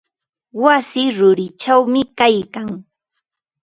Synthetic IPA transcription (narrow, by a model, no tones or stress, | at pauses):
wasɪɾʊɾɪt͡ʃawmɪkajkaŋ